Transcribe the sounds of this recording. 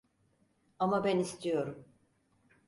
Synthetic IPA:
amabænist̪ʰijo̞ɾum

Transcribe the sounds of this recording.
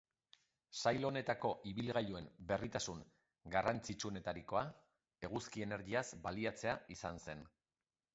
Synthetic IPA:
sajlo̞ne̞t̪ako̞ʔiβilɣaʎue̞mbe̞rit̪asuŋ | ɡarant͡sit͡ʃuo̞ne̞t̪aɾiko̞a | e̞ɣuskie̞ne̞ɾɣiazbaliat͡se̞aisanse̞n

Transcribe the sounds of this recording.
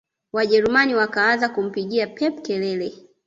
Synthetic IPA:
waʄɛɾumaniwakaanzakum̩piɠiapʰɛp̚kɛlɛlɛ

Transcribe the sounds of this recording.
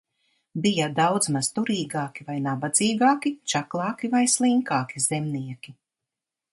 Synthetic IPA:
bijad̪awd̪zmaz̥t̪uɾiːɡaːkʲivajnabad̪z̥iːɡaːkit͡ʃaklˠɑːkivajslˠiŋkaːkizɛmniɛkʲi

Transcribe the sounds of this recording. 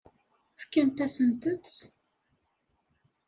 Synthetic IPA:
fkænt̪æsənt̪ətt͡s

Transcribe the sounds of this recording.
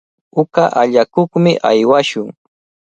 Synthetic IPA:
ʊkaʔaʎakoχmɪʔajwaʃʊŋ

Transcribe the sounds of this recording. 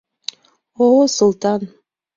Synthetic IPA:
oosŭlˠt̪ɑn

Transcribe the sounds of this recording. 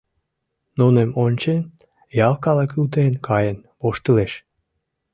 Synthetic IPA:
nunemonʲt͡ɕen | jɑlˠkɑlekylt̪enkʰɑjənpoʃt̪əleʃ

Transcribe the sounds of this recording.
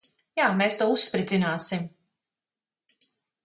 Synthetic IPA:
jaːmeːst̪uɔusːpɾid̪zinaːsim

